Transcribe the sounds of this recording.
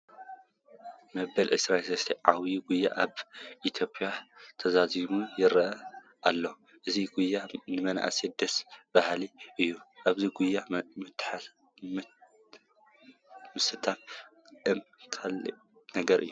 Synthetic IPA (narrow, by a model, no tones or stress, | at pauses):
mɐbɐlʕɨsɾaelsɐst̪ʰiʕawjiɡujːa̰ʔaβʔit̪ʰjo̞pʰʼjat̪ʰɐzazimujɪɾɐʔɐ | ʔalːo | ʔɨziɡujːanɨmɐna̰ʔsed̪ɐsb̥ahliʔɨjːuʔaβziɡujːamɨt̪ːa | m | mɨsɨt̪ʰan | ʔɨmkʰalḭ | nɐɡɐɾɨ̰jːu